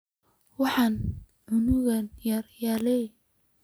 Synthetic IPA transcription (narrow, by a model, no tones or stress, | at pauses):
wɑħɑn | ʕʊnʊɣɐnjɐrjalɛ